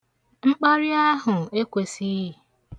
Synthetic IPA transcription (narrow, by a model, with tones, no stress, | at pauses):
ŋ͡m̩˦k͡pa˦ɾɪ˦a˦ɦʊ˨e˦kʷe˨si˦i˨